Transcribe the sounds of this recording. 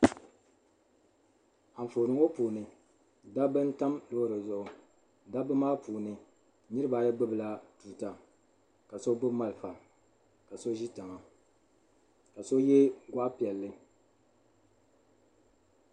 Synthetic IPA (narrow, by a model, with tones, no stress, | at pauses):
a˨ɱ̩˨fo˨nɨ˨ŋo˦puː˨nɨ˨ | da˦bɨ˦n˦ta˦mlo˦ɾɨ˨zʊ˨ʊ˨ | da˦bɨ˦maː˦puː˨nɨ˨ | nɨ˦ɾɨ˦ba˨ja˦ɡ͡bɨ˦bɨ˨la˨tu˨ta˨ | ka˨so˦bʊ˦ma˦lfa˨ | ka˨so˦ʒi˦ta˨ŋa˨ | ka˨so˦jɛ˦ɡʷa˦ʔpi˨ɛ˨lːɨ˦